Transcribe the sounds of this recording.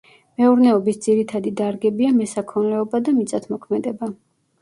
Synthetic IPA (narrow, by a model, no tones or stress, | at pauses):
mɛuɾnɛɔbisd̪ziɾit̪ʰad̪id̪aɾɡɛbiamɛsakʰɔnlɛɔbad̪amit̪sʼat̪ʰmɔkʰmɛd̪ɛba